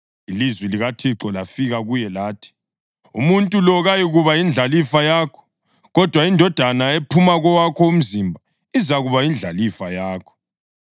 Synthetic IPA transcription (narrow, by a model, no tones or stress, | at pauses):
ilizwiliɣatʰiǁɔlafiɣaɣujɛlaːtʰi̥ | ṵmuntʼulɔɣajiɣuβajind͡ɮʱalifajaːkʰɔ̥ | ɣɔd̥ʱwaindʱɔd̥ʱanaepʰumaɣɔwakʰɔum̩zimbʱa | izaɣuβajind͡ɮʱalifajaːkʰɔ̥